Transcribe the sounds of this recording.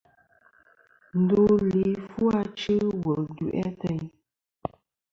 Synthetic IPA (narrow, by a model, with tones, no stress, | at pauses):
n̩˨du˦˨li˨˦fu˦a˦t͡ʃɨ˦wə˨du˨ʔɛ̰˦tɛ˦˨ɲ